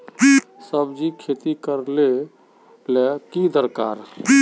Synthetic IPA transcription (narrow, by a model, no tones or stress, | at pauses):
səbd͡ʒikʰet̪ikəɾle | lɛkid̪əɾka̰ːɾ